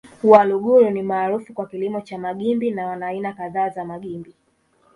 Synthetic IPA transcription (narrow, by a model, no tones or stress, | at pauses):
waluɠuɾunimaːɾufukwakilimɔt͡ʃamaɠimbinawanainakaðaːzamaɠimbi